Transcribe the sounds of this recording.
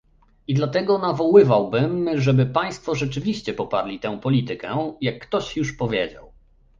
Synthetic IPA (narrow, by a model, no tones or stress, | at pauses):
id̪lat̪ɛɡɔnavɔwɘvawbɘmʐɛbɘpaj̃st̪fɔʐɛt͡ʂɘvʲiɕt͡ɕɛpɔpa̰ɾlʲit̪ɛ̃w̃pɔlʲit̪ɘkɛjakːt̪ɔɕjuʂpɔvʲjed͡ʑa̰w